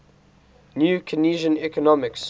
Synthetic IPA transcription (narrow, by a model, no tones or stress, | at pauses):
njuːkʰəniːʒə̃nɛkənɔmɪks